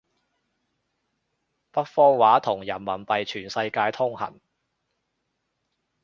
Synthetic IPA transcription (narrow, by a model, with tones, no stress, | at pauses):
pɐ˥t̚fɔː˧ŋwaː˨˥t̪ʰʊ˨˩ŋjɐ˨˩nmɐ˨˩npɐ˨jt͡ʃʰyː˨˩nsɐ˧jkaː˧jt̪ʰʊ˥ŋhɐ̰˨˩n